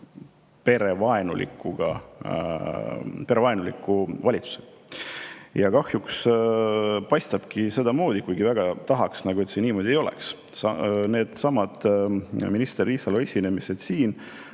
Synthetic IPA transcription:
pe̞ɾe̞vɑenṵlḭkːˑuɡ̥ɑ̰ | pe̞ɾevɑenulikːˑuvɑlʲit̪su̥se̥ɑ̥ | jɑkɑhjuks | pɑjst̪ɑb̥kise̞d̪ɑmo̞ːd̪̥ikujɡ̥ivæɡ̥ɑt̪ɑɦɑksnɑɡue̞t̪seniːmo̞d̪̥ʲie̞jo̞lḛks | ɑne̞ːd̪̥sɑmɑd̪̥minist̪eɾisɑluesʲine̞mise̞d̪̥siːn

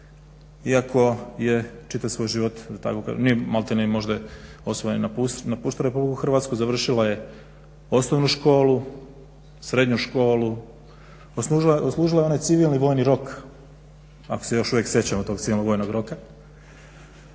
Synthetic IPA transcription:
iakʰo̞je̞t͡ʃit̪aʋsʋo̞jʒiʋo̞t̪d̪at̪a̰koka̰ʒḛnijemalt̪enimo̞ʒd̪ao̞sʋojninapusnapuːʃt̪aɾepublikuxr̩ʋat̪skuzaʋr̩ʃilaje̞ | o̞snoʋnuʃko̞ːlu | sɾe̞d̪ɲuʃko̞ːlu | osuʒloslˠuːʒilajeonajt̪siʋilˠniʋo̞ːjniɾo̞k | ako̥sejo̞ʃuʋjeksje̞t͡ɕamot̪o̞ːɡt̪iʋilnoɡʋojnoɡɾo̞ka

